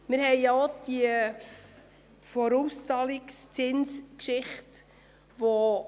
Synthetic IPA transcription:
mɪɾɦɛɪjjɑd̥iə | fɔɾust͡sɑlɪkst͡sɪnskʃɪχt | ʋo

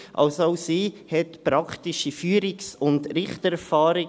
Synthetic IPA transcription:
ʔɑ̰lsaʊsiːhɛtpɾɑkʰtiʃifyːɾɪksʊndɾɪχtɛɾfɑːɾɪ

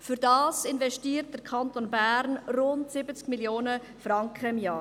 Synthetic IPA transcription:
fyɾdɑːsɪnvɛsʃtiːɾt̚d̥əkʰɑntonbæɾnrʊntsɪbət͡skmiljoːnə | fɾɑŋkχəɪmjɑː

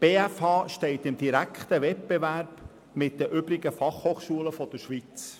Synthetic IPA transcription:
b̥eːæfɑːʃtɛɪt̪ɪmd̪iɾækχt̪əʋɛt̚b̥eʋæɾb̥ | mɪt̚d̪əʔʏbɾiɡəfɑχhoːχʃuələfɔd̥̪əɾʃʋit͡s

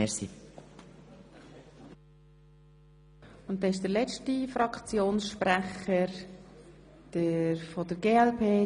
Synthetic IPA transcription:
ɛɾsḭ | ʊnt̚dɛɪʃ̬d̥əɾlɛt͡ʃtifɾɑkʰt͡sjoːnsʃpɾæχəɾ | d̥əɾfod̥əɾɡeːɛlpʰeː

